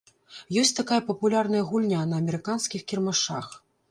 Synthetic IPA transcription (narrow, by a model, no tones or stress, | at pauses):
jɔsʲt͡sʲt̪akajɐpɐpulʲarnɐjɐɣulʲnʲanɐːmʲɛɾɨkanskʲixkʲirmaʂax